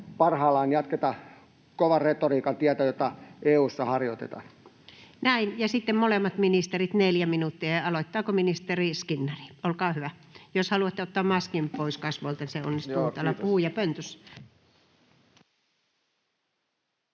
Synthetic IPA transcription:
pɑrhɑːlɑːnjɑt̪ket̪ɑ | koʋɑret̪oriːkɑnt̪iæt̪æjot̪ɑeːuːsːɑhɑrjot̪ḛt̪ɑ̰ | næinjɑsit̪ːemmolemːɑt̪minist̪erit̪neljæminut̪ːiɑjɑɑloit̪ːɑːkominist̪eriskinːɑri̥olkɑːhyʋæjoshɑluɑt̪ːeot̪ːɑːmmɑskimpoiskɑsʋoˑlt̪ɑniseo̰nːist̪ut̪ːɑlːɑpuuːjɑpønt̪øs

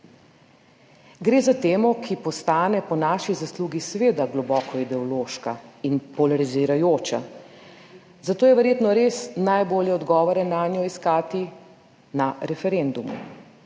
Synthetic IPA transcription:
ɡɾeːzat̪eːmɔkʰipɔst̪aːnɛpɔnaːʃizasluːɡisʋeːd̪aɡlɔbɔːkʰɔid̪ɛɔloːʃkainpɔlaɾiziɾajoːt͡ʃa̰ | zat̪oːjɛʋɛɾjeːt̪nɔɾeːsnajboːljɛɔd̪ɡɔːʋɔɾɛnaːnjɔiskaːt̪i | naɾɛfɛɾend̪umṵ

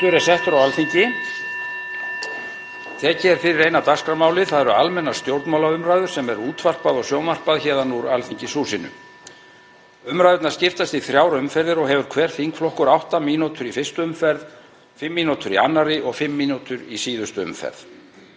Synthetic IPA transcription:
ʏɾɛsɛht̪ʏɾawalθiɲcɪ | θʰɛːcɛɾ̥fɪɾɪɾejnat̪askɾamaːwlɪðθaðɛɾʏalmɛnːast̪jowɾt̪mawlaʏmɾaːðʏ̥sɛmɛɾuːt̪var̥paðɔɣsjownvar̥paðçɛːðanuɾalθiɲcɪsuːsɪnʏ̰ | ʏmɾajðʏɾt̪nḁɾscɪft̪ast̪iθɾjaːwɾʏmfɛɾðɪɾɔɣɦɛvʏɾ̥kʰvɛːɾ̥θiŋkflɔhkʏɾawht̪amiːnut̪ʰʏɾifɪrst̪ʏʏmfɛɾð | fɪmːiːnut̪ʏɾianːaɾɪʔɔɣfɪmːiːnut̪ʏɾisiːðʏst̪ʏʏ̰mfɛ̰ɾð

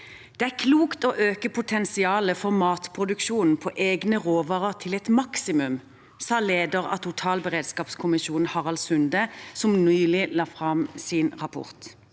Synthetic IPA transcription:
d̪̥ɛæʁkʰluːkt̪oːʔøːkəpʰʊt̪ʰɛnsɪɑːləfɔʁmɑːt̪pʰʁʊd̪ʉkʃuːnn̩pʰɔːʔeːɡnəʁoːʋɑːʁəʁt̪ʰɪlɛt̪mɑksɪmʉm | sɑːleːd̪əʁɑ̰t̪ʊʈ̪ʰɑːlbəʁeːd̪skɑːpskʰʊmɪʃuːn̩hɑʁɑlsʉnd̪əsɔmnyːlɪlɑːfʁɑmsɪnʁɑpʰʊ̰ʁt̪

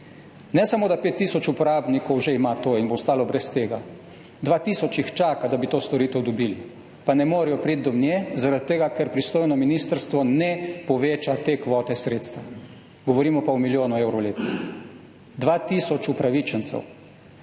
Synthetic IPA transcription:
nɛsamoːd̪apeːt̪ːiːsɔt͡ʃupɔɾaːbnikɔwʒeimat̪oːinbost̪aːlɔbɾɛst̪eːɡa | d̪ʋaːt̪iːsɔt͡ʃixt͡ʃaːkad̪abit̪oːst̪ɔɾiːt̪ɛwd̪ɔbiːli | panɛmoːɾɛjɔpɾit̪̚d̪ɔmnjezaɾat̪ːeɡakɛɾpɾist̪oːjnɔminiːst̪əɾst̪ʋɔnɛpɔʋeːt͡ʃat̪eːkʋɔːt̪ɛsɾeːt̪st̪ʋa | ɡ̥ɔʋɔɾiːmɔpaumiljoːnuewɾɔwleːt̪nix | d̪ʋaːt̪isɔt͡ʃupɾaʋit͡ʃənt̪sɛ̰w

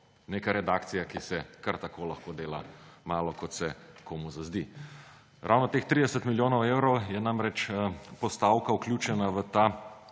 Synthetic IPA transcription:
neːkaɾɛd̪akt̪sijakisɛkaɾt̪akoːlɐxkoːd̪eːla̰maːlɔkɔt̪sɛkomuzazd̪i | ɾa̰wnɔt̪eːxt̪ɾid̪ɛsət̪miljoːnɔweːwɾɔwjɛnamɾɛt͡ʃpɔst̪aːwkauklʲjuːt͡ʃɛnaʋət̪a

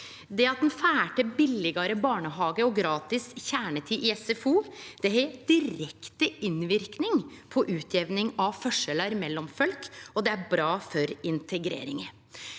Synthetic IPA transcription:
d̪ɛɑt̪̚d̪ɛnfæːʈəbɪlɪɡəɾəbɑːɳəɦɑːɡəɔɡɾɑːt̪ɪsçæːɳət̪ʰiːʔɪɛsɛfuːd̪̥ɛɦɛd̪̥ɪɾɛkt̪əɪnʋɪɾknɪŋpʰɔʔʉːt̪ʰjɛʋnɪŋɑʋfœʂələɾmɛlːɔmfœlkɔd̪ɛæɾbɾɑːfɔɾɪnt̪ʰɛɡɾḛːɾɪ̰ŋə

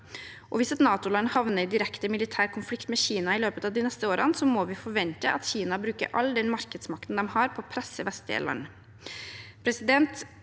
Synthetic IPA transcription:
ʔɔʋɪsɛt̪nɑːt̪ʊlɑnːhɑʋnəɾɪd̪ɪɾɛkt̪əmɪlɪt̪ʰæːɾkʰʊnflɪkt̪mɛːçiːnɑɪløːpət̪ɑːʋd̪ɪnɛst̪əoːɾʔənsɔmɔʋɪfɔɾʋɛnt̪əʔɑ̰t̪çiːnɑbɾʉːkə̰ɾʔɑ̰lːd̪ɛnmɑɾkəd̪smɑk̚t̪ənd̪ɛmhɑɾpʰɔpʰɾɛsːəʋɛst̪ɛ̰lʔɑ̰nː | pʰɾɛsɪd̪ɛnt̪

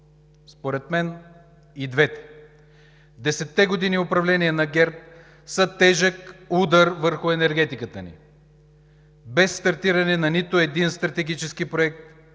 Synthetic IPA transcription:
spoɾɛt̪mɛn | id̪vɛt̪ɛ̥ | d̪ɛsɛt̪ːɛɡod̪iniʊpɾɐvlɛniɛnɐɡʲɛɾp̚ | sət̪ɛʒəkud̪əɾvəɾxʊɛnɛɾɡɛt̪ikət̪ənḭ | bɛsːt̪ɐɾt̪iɾɐnɛnɐnit̪ʊɛd̪inst̪ɾɐt̪ɛɡʲit͡ʃɛskipɾoɛk̚t̪

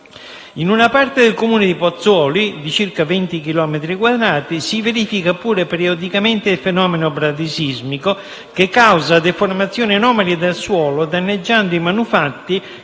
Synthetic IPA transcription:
inunapaɾt̪ed̪elkomuːnɪd̪ipɔt̪sːɔːlid̪it͡ʃirkavint̪ik̟ilɔːmet̪ɾikwad̪ɾaːt̪isiveɾiːfikapuːɾepeɾiod̪ikamɛnt̪efɛnɔːmenobɾad̪isizmiko | kekːawzad̪efoɾmat̪sːjɔːninɔːmalied̪alswɔːlod̪anːed͡ʒːand̪ʊimanufat̪ːi

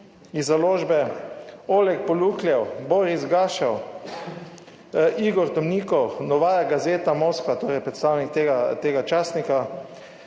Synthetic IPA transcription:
izaloːʒbɛ | oːlɛk̚pɔluːkljɛwboːɾizɡaːʃaw | ʔiɡɔɾd̪ɔmniːkɔwnɔʋaːjaɡazeːt̪amoːskʋat̪oːɾɛjpɾɛt̪st̪aːwnikt̪eːɡat̪eːɡat͡ʃaːsnika

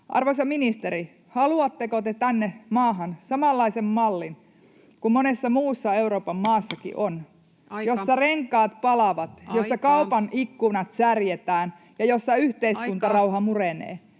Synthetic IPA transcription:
ʔɑ̰rʋosɑminist̪eɾi | hɑluɑt̪ːekot̪et̪ænːemɑːɦɑnsɑmɑlːɑisemmɑlːin | kummonesːɑmuːsːɑe̞uɾo̞ːpɑmmɑːsːɑkḭʔon | josːɑreŋkˑɑːt̪pɑlɑʋɑt̪josːɑkɑupɑnʔikːunɑt̪særjet̪æːn | jɑjosːɑyht̪eiskunt̪ɑrɑuɦɑmurenḛː

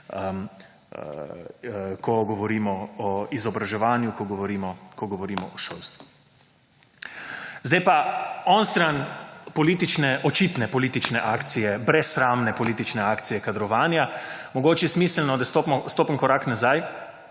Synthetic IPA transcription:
kʰɔɡɔʋɔɾiːmɔɔizɔbɾaʒɛʋaːnjukɔɡɔʋɔɾiːmɔkɔɡɔʋɔɾiːmɔ̰ʔɔʃo̰lst̪ʋu | zd̪ajpaɔnst̪ɾanpɔliːt̪it͡ʃnɛʔɔt͡ʃit̪nɛpɔliːt̪it͡ʃnɛʔaːkt̪sijɛbɾɛsːɾaːmnɛpɔliːt̪it͡ʃnɛaːkt̪sijɛkad̪ɾɔʋaːnjamɔɡoːt͡ʃjɛsmiːslnɔd̪ast̪opmɔst̪oːpəŋkɔɾaːknazaj

